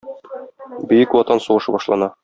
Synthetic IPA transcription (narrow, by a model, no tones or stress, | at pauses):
bɘ̆jɘkwɒt̪ɑnsuʁɤ̆ʃɤbɒʃlˠɑ̰nɑ